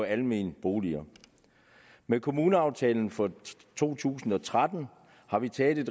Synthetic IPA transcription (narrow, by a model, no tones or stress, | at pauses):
ɒ̽ælme̝̰ːnb̥o̝ːliɐ | mekʰo̝muːnəɑ̈ʊt͡sʰɛ̰ːln̩fɒ̽ | t͡sʰo̝̰ːt͡sʰṵːsn̩ɒ̽t͡sʰʁad̥n̩ | hɑ̈ʋit͡sʰɛːl̩ˠe̝d̥